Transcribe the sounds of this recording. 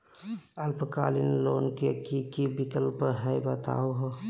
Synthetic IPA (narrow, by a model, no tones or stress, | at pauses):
ɐlpʰkaːlinloːnkekikibikəlpɦɛjbət̪a̰ːoɦ